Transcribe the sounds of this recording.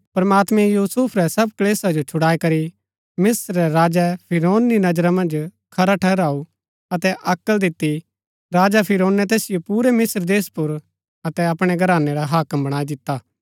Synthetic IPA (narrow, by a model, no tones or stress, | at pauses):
pɐɾmaːt̪mɛ̃juːsupʰɾɛsɐb̚kleːsad͡ʒot͡ʃʰʊɽaːikɐɾi | mɪsɾːɛɾaːd͡ʒɛpʰɪɾoːnːinɐd͡ʒɾamɐ̃nd͡ʒ | kʰɐɾaʈʰɛɦɾaːu | ɐt̪ɛʔɐkəld̪ɪt̪ːi | ɾaːd͡ʒapʰɪɾoːnːɛt̪eːsɪjopuːɾɛmɪsɾd̪eːspʊɾ | ɐt̪ɛɐpɽ̃eɡɐɾaːnːeɾaɦaːkəmbɐɽ̃aːid̪ɪt̪ːaː